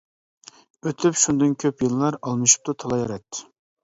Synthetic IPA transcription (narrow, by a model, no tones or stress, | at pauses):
øt̪ʰypʃund̪ɨnkʲʰøpjɨlˠlˠɑɾɑlˠmɨʃu̥p̚t̪ʰut̪ʰɑlˠɑjɑɾɛt̪ʰːɪ̥